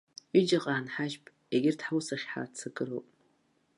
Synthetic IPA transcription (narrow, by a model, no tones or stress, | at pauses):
id͡ʒaqʼaːnħaʒpʼ | eɡʲɪrdħawsaχʲħa̰t͡sʰɨɡʼɨrowpʼ